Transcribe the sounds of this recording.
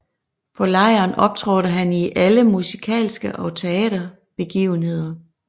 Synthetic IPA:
pʰɒ̽lɑ̈ɪɐːnɒ̽b̥̚t͡sʰʁɔɾəɦæniʔæləmusikʰɛ̰ːlsɡ̥əʔɒ̽t͡sʰeɛːɾɐ | b̥e̝ɡ̥ḭːʊn̩ɦe̝ð̞̰ˠɐ

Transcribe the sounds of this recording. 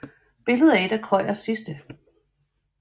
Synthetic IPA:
b̥e̝ləð̞ˠæe̝d̥ækʰɒ̽ɪ̰ɐsisd̥ə

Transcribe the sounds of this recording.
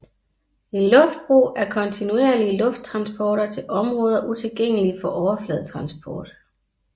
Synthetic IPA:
enlɔ̽fd̥̚b̥ʁṵːæɐkʰɒ̽nt͡sʰinue̝ːɐliəlɔ̽fd̥̚t͡sʰʁɑ̈nsb̥ʰɒːɾ̥ɐt͡sʰe̝lʔɒ̽mʁɔ̽ːð̞ˠɐʔut͡sʰe̝lɡ̥eŋ̰əlifɒ̽ʔɒʊɐflɛð̞ˠt͡sʰʁɑ̈nsb̥ʰɒ̰ːd̥

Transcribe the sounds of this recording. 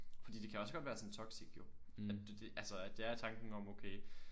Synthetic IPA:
fɒ̽d̥ḭːd̥e̝kʰæɒ̽sə̥ɒ̽d̥ʋæːɐsɒ̽nt͡sʰɒ̽ɡ̥siɡ̥jo̝ | æd̥d̥eʔælsɒæd̥eæɐt͡sʰɑ̈ŋɡ̥ŋ̩ɒ̽moʊkʰeɪ

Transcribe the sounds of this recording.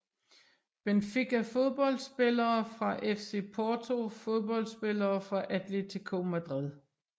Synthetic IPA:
b̥enfeɡ̥æfo̝ð̞ˠb̥ɒ̽l̰d̥sb̥e̝lɐːfʁɑ̈ʔefse̝̰pʰɒːt͡sʰo̝fo̝ð̞ˠb̥ɒ̽l̰d̥sb̥e̝lɐːfʁɑ̈ʔæd̥lit͡sʰe̝kʰo̰ːmæd̥ʁið̞ˠ

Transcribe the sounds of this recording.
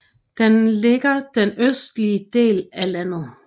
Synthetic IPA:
d̥enle̝ɡ̥ɐd̥enøsd̥liəd̥e̝̰ːlælæn̰ð̞̩ˠ

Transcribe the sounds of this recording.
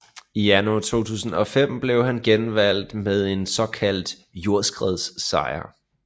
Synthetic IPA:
ijænuɑt͡sʰo̝̰ːt͡sʰṵːsn̩ɒ̽fem̰b̥le̝ʊhænɡ̥enʋæl̰d̥með̞ˠe̝nsɒ̽kʰæl̰d̥ | jo̝ɐ̰sɡ̥ʁɛð̞ˠsːɑ̈ɪɐ

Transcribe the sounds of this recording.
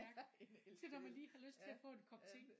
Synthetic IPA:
æɐɡ̥sʰelɒmːænliːhɑ̈løsd̥̚t͡sʰe̝æfɔ̰̽ːenkʰɒ̽b̥̚t͡sʰe̝ŋ

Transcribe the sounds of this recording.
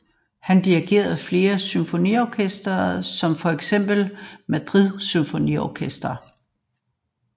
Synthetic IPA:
hænd̥iʁiɡ̥e̝̰ːɐð̩ˠfle̝ːɐsynfo̝nḭɒkʰesd̥ɐːsɒ̽mfɒ̽eɡ̥sem̰b̥l̩mæd̥ʁiðˠsymfo̝nḭɒkʰesd̥ʁɐ

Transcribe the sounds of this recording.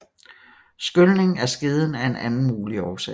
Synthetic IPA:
sɡ̥ølne̝ŋæɐsɡ̥eð̞ˠn̩æe̝nʔænn̩muːliɒːsɛ

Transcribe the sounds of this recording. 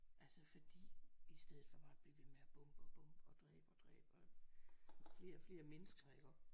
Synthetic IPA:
ʔælsəfɒ̽d̥ḭːisd̥eð̩ˠfɒ̽b̥ɑ̈ːb̥liʋe̝meæb̥ɔmb̥ɒb̥ɔ̽mb̥ɒ̽d̥ʁɛ̰ːb̥ɒd̥ʁɛ̰ːb̥ɒ | fle̝ːɐfle̝ːɐmenəsɡ̥ɐeɡ̥ɒ

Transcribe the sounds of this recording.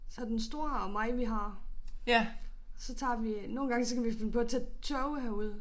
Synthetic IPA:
sɒ̽d̥ensd̥o̝ɐɒmɑ̈ɪʋiɦɑ̈ | sɒ̽t͡sʰɑ̰̈ːʋino̝ːn̩ɡɑ̈ŋəsɒ̽kæʋife̝nəpʰɒ̽t͡sʰe̥t͡sʰœʊɦæɐuð̞̰ˠ

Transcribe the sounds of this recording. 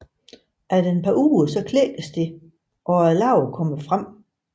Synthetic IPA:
ʔæɐd̥eenpʰɑ̈ʔuːɐsɒ̽kʰlḛːɡ̥əsd̥e̝ | ʔɒ̽æɐlɑ̈ʊɐkʰɒ̽məfʁam̰

